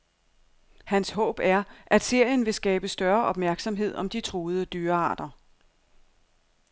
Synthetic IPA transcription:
hænsɦɔ̰̽ːb̥æɐʔæd̥se̝ɐ̰jənʋe̝sɡ̥ɛːb̥əsd̥ɶɐʔɒ̽b̥mæɐɡ̥sɒ̽mɦe̝ð̰ˠɒ̽md̥it͡sʰʁoːð̩ˠəd̥yːɐɑ̰̈ːd̥ɐ

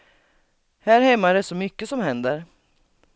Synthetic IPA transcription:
hæːɾhɛmːaɾɛʂɔmʏkːəsɔmhɛnd̪əɾ

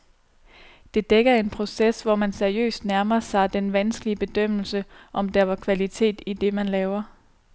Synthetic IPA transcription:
d̥e̝d̥eɡ̥ɐe̝npʰʁo̝sesʋɒmænseɐiø̰ːsd̥næɐmɐsɑ̈ɪd̥enʋænsɡ̥əliəb̥e̝d̥øm̰l̩səʔɒ̽md̥æɐʋɑ̈kʰʋælit͡sʰe̝̰ːd̥id̥e̝mænlɛːʊɐ

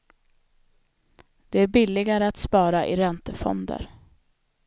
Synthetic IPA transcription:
d̪̥ɛæɾbɪlːɪɡaɾəat̪spɑːɾaʔɪɾɛnt̪əfɔ̰nd̪ə̰ɾ

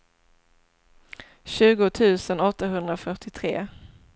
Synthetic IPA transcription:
ɕʉ̟ːɡʊt̪ʰʉ̟ːsənɔt̪ːaɦɵnd̪ɾafœʈɪt̪ʰɾeː

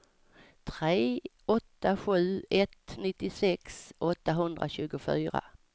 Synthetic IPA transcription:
t̪ʰɾeːʔɔt̪ːaɧʉ̟ːɛt̪nɪt̪ːɪsɛksʔɔt̪ːaɦɵnd̪ɾa̰ɕʉ̟ːɡʊfyːɾa̰

